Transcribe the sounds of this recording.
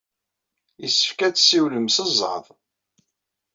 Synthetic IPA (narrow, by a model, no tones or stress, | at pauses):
jəsːə̥fkæt͡sːsiwləmsəzˤə̰ðˤ